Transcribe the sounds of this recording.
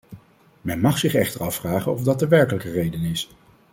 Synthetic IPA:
mɛnmɑχsɪχɛχtəɹɑfraːχənɔvdɑt̚dəʋɛɹkələkərejdənɪs

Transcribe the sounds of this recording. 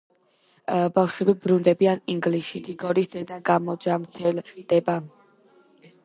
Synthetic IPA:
bafʃwɛbibɾund̪ɛbianiŋɡliʃid̪iɡɔɾisd̪ɛd̪aɡamɔd͡ʒamt̪ʰɛld̪̥ɛba

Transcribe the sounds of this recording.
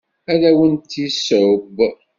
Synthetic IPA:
æðæwənt̪isʕəb

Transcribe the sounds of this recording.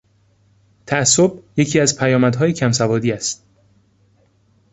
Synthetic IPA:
t̪ʰææsːob̚je̞cʰiːæzpʰæjɒːmæd̪ɦɒːjicʰæmsævɒːd̪iːæst̪̚

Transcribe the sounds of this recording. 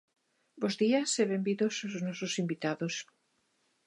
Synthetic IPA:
bozðiaseβembiðosoznɔsosimbit̪aðos

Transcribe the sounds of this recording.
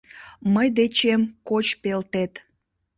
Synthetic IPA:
məjd̪et͡ɕemkot͡ɕpelt̪et̪

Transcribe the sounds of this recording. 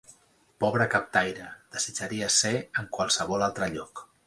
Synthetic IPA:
pɔβ̞ɾəkap̚t̪ajɾəd̪̥əzid͡ʒaɾiəseəŋkwalˠsəβɔlalˠt̪ɾəʎɔk

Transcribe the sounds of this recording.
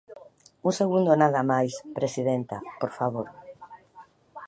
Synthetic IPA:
uŋseɣund̪onaðamajspɾesiðent̪a̰poɾfaβoɾ

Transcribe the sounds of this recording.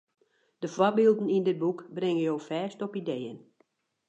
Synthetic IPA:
d̥əfwɔbiːlˠdən̩indɪd̚bukbrɪŋəjowfɛːstɔpideːjən

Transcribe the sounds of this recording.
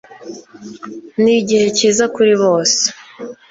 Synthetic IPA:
niɟihe̞ciːzakuɾiβo̞ːse̥

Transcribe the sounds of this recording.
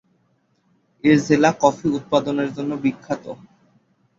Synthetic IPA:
eɾd͡ʑelakɔfʰiut̪̚pad̪oneɾd͡ʑonːobikʰːat̪o

